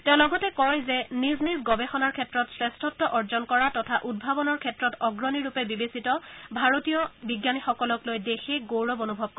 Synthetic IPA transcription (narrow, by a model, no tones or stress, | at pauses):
tɛ̃ʊ̃lɔɡɔtɛkɔɹɔjzɛniznizɡɔbɛxɔnaɹkʰɛtɹɔtsɹɛstʰɔtːɔʔɔɹzɔnkɔɹatɔtʰaʔud̚bʱabɔnɔɹkʰɛtɹɔtɔɡɹɔniɹupɛbibesitɔbʱaɹotijɔbiɡjanixɔkɔlɔklojdexʰeɡowɹɔbonubʱɔb̚kɔ